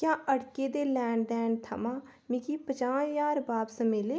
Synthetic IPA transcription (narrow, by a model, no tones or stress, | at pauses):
kjãːʔəɽkeːd̪eːlɛːɳɖɖɛːɳt̪ʰə̰mãː | mikiːpət͡ʃãːjaːɾbaːbsəmeleː